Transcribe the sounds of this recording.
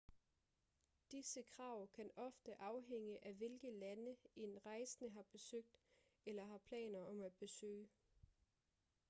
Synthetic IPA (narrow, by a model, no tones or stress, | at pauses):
d̥isəkʰʁɑ̈ʊ̰kʰænɒ̽fd̥əʔɑ̈ʊɦeŋ̰əʔæʋe̝lɡ̥əlænəe̝nʁɑ̈ɪsənəɦɑ̈b̥e̝søɡ̥̚d̥ | elɐɦɑ̈pʰlɛ̰ːnɐɒ̽mæd̥̚b̥e̝sø̰ː